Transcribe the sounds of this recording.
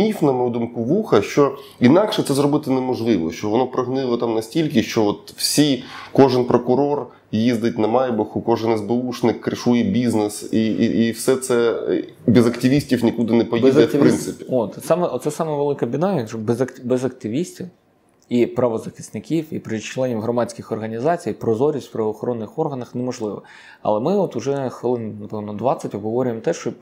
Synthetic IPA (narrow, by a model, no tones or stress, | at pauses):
mʲifnɐmɔjud̪umkʊʋuxɐʃt͡ʃɔ | inɑkʃɛt̪sɛzɾɔbɪt̪ɪnɛmɔʒlˠɪʋɔ̰ʃt͡ʃɔʋɔnɔpɾɐɦnɪlˠɔt̪amnɐsʲtʲilʲkɪʃt͡ʃɔɔt̪wsʲijkɔʒɪnpɾɔkʊɾɔr | jizd̪ɪtʲnɐmɑjbɐxʊkɔʒɪnɪzbɪuʂnɪkːɾɪʃujɛbʲiznɪsiiwsɛt̪sɛ | bʲizɐktʲɪʋʲisʲtʲiwnʲikud̪ɪnɛpɔjbizd̪ʲɐpɾɪnt̪sɪpʲi̥ot̪sɑmɛʔot̪sɛsɑmɛʋelˠɪkɐbʲid̪ɑjɐkʒɔbɛzɐkbɛzɐk̚t̪ɪʋʲisʲtʲiw | ipɾɐʋɔzɐxʲɪ̥st̪nɪkʲiwipɾɪt͡ʃlˠɛnʲiwɦɾɔmɑt͡sʲkɪxɔrɦɐnʲizɑt͡sʲijpɾɔzɔɾʲisʲt̪ʲpɾɐʋɔːxɔɾʔɔnːɪxɔrɦɐnɐxnɛmɔʒlˠɪʋɔ̰ | ɐ̰lˠɛmɪɔt̪ʊʒɛxʋɪlˠɪnnɐpɛʋnɔd̪ʋɑt͡sʲɐtʲɔbɦɔʋɔɾʲʊjemt̪ɛʃt͡ʃɔ